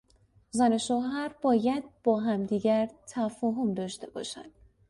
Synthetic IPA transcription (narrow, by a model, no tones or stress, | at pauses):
zæne̞ʃoːɦæɾb̥ɒːjæd̪̚b̥ɒːɦæmd̪iːɟæɾt̪ʰæfɒːɦomd̪ɒːʃt̪e̞bɒ̰ːʃæ̰nd̪̥